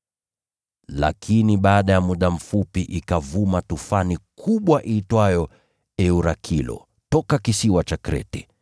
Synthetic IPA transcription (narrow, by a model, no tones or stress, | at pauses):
la̰kʰiniɓaːɗajamuɗam̩fupiʔikavumatufanikʰuɓwaʔitwajɔ | ɛuɾakʰilɔ̰ | tɔkakisiwat͡ʃakɾɛ̰tɛ